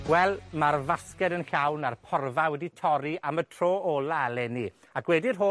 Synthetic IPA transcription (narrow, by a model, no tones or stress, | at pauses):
wɛlˠmarvaskɛdənɬawnarpʰɔrvawɛditʰɔɾiʔamətʰr̥oːɔlˠalɛni | akwɛdɪrɦo